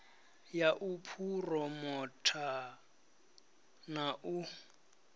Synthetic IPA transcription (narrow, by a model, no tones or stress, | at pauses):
jaʔupʰurɔmɔtʰa | naʔu